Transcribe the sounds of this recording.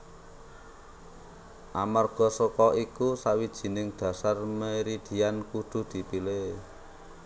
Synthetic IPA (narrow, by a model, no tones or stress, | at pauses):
ʔamarɡ̥ɔ̤sokɔʔikusawid̥ʒ̥i̤nɪŋɖ̪̥ä̤sarməɾid̪̥i̤jankuɖ̪̥ṳd̪̥i̤pile